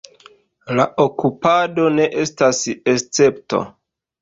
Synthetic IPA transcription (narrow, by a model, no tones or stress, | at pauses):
la̰ʔokupado̞ne̞ʔe̞stasest͡se̞pto̰